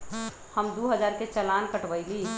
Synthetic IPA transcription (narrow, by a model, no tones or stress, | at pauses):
həmd̪uɦəd͡ʒaːɾket͡ʃəlaːnkəʈʋəɪli